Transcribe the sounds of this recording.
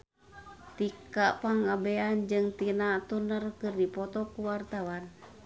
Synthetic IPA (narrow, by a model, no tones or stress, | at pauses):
t̪ikaʔpaŋabɛand͡ʒɨŋt̪inat̪unərkɨrdipɔt̪ɔkuwart̪awan